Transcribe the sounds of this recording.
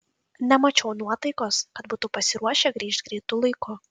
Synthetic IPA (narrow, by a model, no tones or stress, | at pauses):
nʲɛmɐt͡ʃʲɛʊnuɔt̪ɐɪkoːskɐt̪buːt̪upɐsʲɪɾuɔʃʲɛɡɾʲiːʃt̪̚ʲɡɾʲiːt̪ʊlˠɐɪkʊ